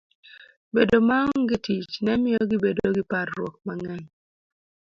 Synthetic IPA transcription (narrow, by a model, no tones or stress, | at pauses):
bedomaŋɡɪtit͡ʃnɛmɪjɔɡɪbedoɡɪparːwɔk̚maŋɛɲ